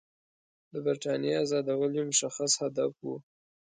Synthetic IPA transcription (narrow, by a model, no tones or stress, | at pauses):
d̪əbɪɾʈɑnjeazɑd̪awəljomʊʃaxashad̪afwṵ